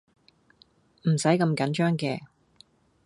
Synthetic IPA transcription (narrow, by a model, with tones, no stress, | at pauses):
m̩˨˩sɐ˨˥jkɐ˧mkɐ˨˥nt͡ʃœː˥ŋkɛː˧